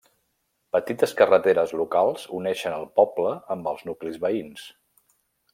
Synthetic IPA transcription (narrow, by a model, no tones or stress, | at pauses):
pət̪it̪əskərət̪eɾəzlukalˠzṵnɛʃənəlˠpɔbləəmbəlˠznuklizβəins